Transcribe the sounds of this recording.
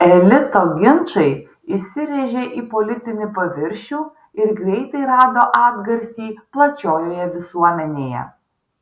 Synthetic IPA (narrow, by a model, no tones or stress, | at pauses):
ɛlʲɪt̪oːɡʲɪnt͡ʃɐɪ | ɪsʲɪʋʲeːʒʲeʔiːpɔlʲɪt̪ʲɪnʲɪpɐʋʲɪɾʲʃʲuː | ɪɾɡɾʲɛɪt̪ɐɪɾɑːd̪oːʔɑːb̪ɡɐɾʲsʲiːplˠɐt͡ʃʲoːjoːjɛʋʲɪsuɔmʲɛnʲeːjɛ̰